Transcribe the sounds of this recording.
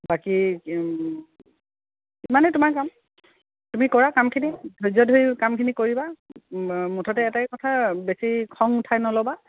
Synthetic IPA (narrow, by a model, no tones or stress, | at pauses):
baki | imanɛtʊmaɹkam | tumikɔɹakamkʰinidʱojzɔdʱojkamkʰinikoɹiba | mutʰɔtɛɛtakɔtʰabesikʰɔŋʊtʰajnɔlɔba